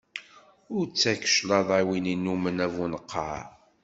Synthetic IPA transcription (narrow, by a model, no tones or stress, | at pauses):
ʊɾt͡sːækə̥ʃlɑðˤæwininːumənævunəqʰːɑ